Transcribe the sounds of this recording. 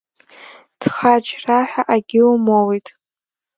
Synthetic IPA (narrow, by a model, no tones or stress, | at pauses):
d̥χat͡ʃʰraħʷᶣaʔaɡʲɪlmowejtʼ